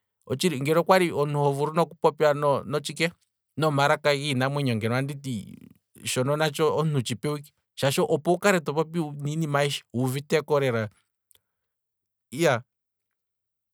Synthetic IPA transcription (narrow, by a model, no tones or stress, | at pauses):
ɔt͡ʃiɾiŋɡɛɾɔkwaɾiɔnuhɔvuɾunɔkupɔpjanɔnɔt͡ʃikɛ | nɔmaɾakaɣinamwɛɲɔŋɡɛnwanditi | ʃɔnɔnat͡ʃɔɔn̥ut͡ʃipɛwiki̥ | ʃaʃɔʔɔpɔukaɾɛtɔpɔp̬iuninimaiʃḁuvitɛkɔɾɛɾa | ja